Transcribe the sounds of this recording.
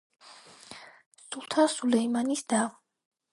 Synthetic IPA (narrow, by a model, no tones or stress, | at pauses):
sulˠt̪ʰasulɛimanisd̪a